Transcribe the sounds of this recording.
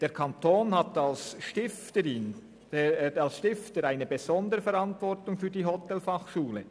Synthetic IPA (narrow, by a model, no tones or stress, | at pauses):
d̥eːɐʁkʰantʰoːnhatalsʃtɪftəɪn | alsʃtɪftəɾaɪnəbez̥ɔndəɾəfɛɾantvɔʁtʊŋfyːɐdiːɦɔtʰɛlfaχʃuːlə